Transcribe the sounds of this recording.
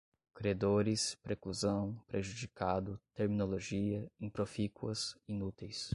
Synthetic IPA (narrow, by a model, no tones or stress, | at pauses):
kɾed̪oɾɪspɾekluzɐ̃w̃pɾeʒud͡ʒikad̪ʊt̪eɾmĩnoloʒiɐĩpɾofikwɐsinut̪ejs